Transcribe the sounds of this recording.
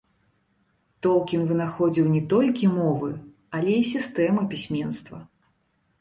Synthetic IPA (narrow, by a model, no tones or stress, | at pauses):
t̪ɔlˠkʲinvɨnaxɔd͡zʲiwnʲɛt̪ɔlʲkʲimɔvɨ | alʲɛisʲist̪ɛmɨpʲisʲmʲɛnst̪vɐ